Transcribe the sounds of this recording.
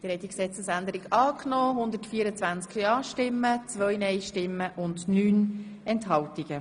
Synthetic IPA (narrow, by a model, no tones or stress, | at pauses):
d̥̪ɪɾhɛt̪ːiksɛt͡səsænd̪əɾikɑːkʰnɔːɦʊnd̪əɾtfiːəɾət͡svænt͡skɑːʃtɪmːət͡sʋœjnɛjʃtɪmːəʔʊndnyːnɛntɦɑltiɡ̥ə